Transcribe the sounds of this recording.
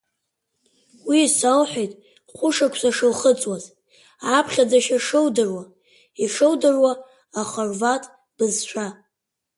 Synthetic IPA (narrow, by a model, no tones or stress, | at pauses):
wiːsalħʷᶣejtʼ | χʷʊʂakʷʰsaʂɨlχət͡sʼwaz | apʰχʲad͡zaʃaʂɨwdɨrwa | iʂɨwdɨrwaː | χarvatʼ | b̥ɨzʃʷʰᶣa